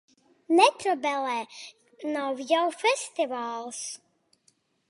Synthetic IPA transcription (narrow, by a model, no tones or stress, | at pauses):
nɛt̪ɾɔbɛlɛː | nawjawfʲɛsʲt̪ivaːlˠs